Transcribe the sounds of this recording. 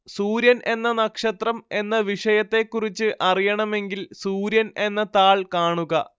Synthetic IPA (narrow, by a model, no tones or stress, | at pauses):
suːɾjɐnʔe̞nːɐnɐkʂɐt̪rɐme̞nːɐʋiʂɐjɐt̪ːe̞kːurit͡ɕːɨʔɐrijɐɳɐme̞ŋɡilsuːɾjɐne̞nːɐt̪aːɭkaːɳuɣɐ